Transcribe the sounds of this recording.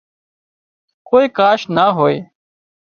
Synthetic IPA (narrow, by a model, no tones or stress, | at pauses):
koːiːkaːʃnaːɦoːeː